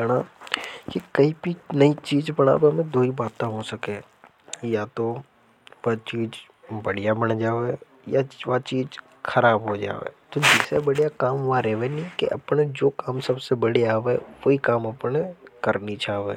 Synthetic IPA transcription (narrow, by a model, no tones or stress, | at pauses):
əɽ̃aːkikɐibʱinɐit͡ʃiːd͡ʒbɐɽa̰ːʋemẽd̪ʱoːibaːt̪ːãɦosɐke | jat̪o | ʋat͡ʃiːd͡ʒ | bɐɽijabɐɽ̃d͡ʒaːʋe | jaʋat͡ʃiːd͡ʒ | xʰɐɾaːbɦod͡ʒa̰ːʋḛːt̪od͡ʒɛːsebɐɽijakaːmʋaɾɛːʋenikḛʔɐ̰pned͡ʒoːkaːmsɐbsebɐɽeaːʋeʋoikaːmɐpnekɐɾnit͡ʃaːʋḛː